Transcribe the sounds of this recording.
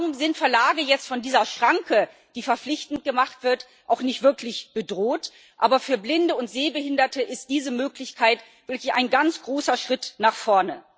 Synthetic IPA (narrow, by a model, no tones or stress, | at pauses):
ʁʊmzɪntfɛɐlaːɡəjɛt͡stfɔndiːzɐʃʁ̥aŋkʰə | d̥iːfɛɐflɪçtn̩t̚ɡ̥əmaχtv̥ɪɐt | ʔaʊxnɪçtv̥ɪɐklɪçb̥ədʁoːt | ʔaːbɐfyːɐblɪndəʊntz̥eːbəhɪndɐtʰəʔɪst̚d̥iːzəmøːklɪçkʰaɪt | v̥ɪɐklɪçʔaɪnɡant͡sɡ̥ʁoːsɐʃʁ̥ɪtnaːχfɔɐnə